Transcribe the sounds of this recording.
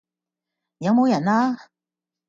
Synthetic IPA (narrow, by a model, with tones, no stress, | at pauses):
jɑ˧˥ŋmo˧˥jɛ˨˩na˧